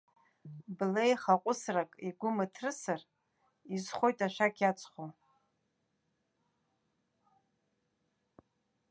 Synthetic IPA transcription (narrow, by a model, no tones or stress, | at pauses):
blejχaqʷʼʊsrakʼiɡʷʊmatʰrɨsɨr | izχʷo̞jtʼaʃʷᶣakʲʰjat͡sʼχʷo